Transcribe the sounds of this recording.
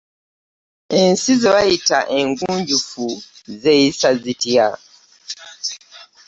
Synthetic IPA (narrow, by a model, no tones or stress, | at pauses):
ensizeβajitaʔeŋɡuːɲɟufuzeisazitja